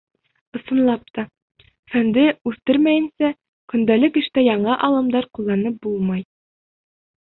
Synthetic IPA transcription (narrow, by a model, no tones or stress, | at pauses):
ŏsɤ̆nlˠɑp̚t̪ɑ | fænd̪ɘʉθt̪ɘɾmæjɘ̆nsæ | kɵ̆nd̪ælɘkɘ̆ʃt̪æjɑɴɑʔɑlˠɤ̆md̪ɑɾqulˠːɑnɤp̚bulˠmɑj